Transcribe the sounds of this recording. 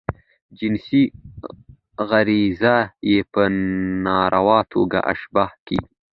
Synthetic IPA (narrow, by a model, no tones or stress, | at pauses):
d͡ʒɪnsi | ɣaɾizajepənɑɾʔawɑt̪ʰoɡa̰ʔa̰ʃbɑhkḭ